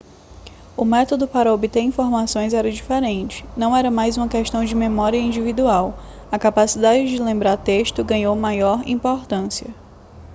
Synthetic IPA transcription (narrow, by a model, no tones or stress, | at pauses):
ʊmɛt̪od̪ʊpaɾɐobit̪eɾĩfoɾmasõj̃zɛɾɐd͡ʒifɛɾẽnt͡ʃɪ̥nɐ̃w̃ɛɾɐmajzũmɐkɛʃt̪ɐ̃w̃d͡ʒɪmẽmɔɾiɐĩd͡ʒivid̪uaw | ɐkapasid̪ad͡ʒɪd͡ʒɪlẽmbɾaɾt̪eʃt̪ʊɡɐ̃ɲowmajɔɾĩpoɾt̪ɐ̃siɐ